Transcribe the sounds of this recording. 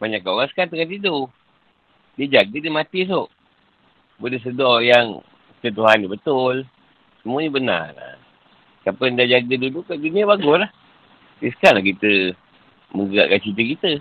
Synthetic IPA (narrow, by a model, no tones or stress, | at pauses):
baɲakːaoasə̥kant̪̬əŋant̪idu | diəd͡ʒaɡədimat̪is̬oʔ | bodəs̬ədɔjaŋ | kit̪ət̪̬uɦanːibət̪ʊl | səmuəɲəbəna̰rla̰ | kapəndad͡ʒaɡədilukaʔɡinəbaɡʊslah | disə̥kalakit̪ə | məŋɡəa̰ʔkant͡ʃit̪əkit̪ə